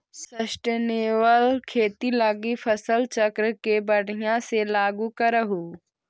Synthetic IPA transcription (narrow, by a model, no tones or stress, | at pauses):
səʃʈəneːʋəlkʰeːt̪ilaɡipʰɐsəlt͡ʃɐkɾəkebɐɽijãselaːɡukɐɾəɦuː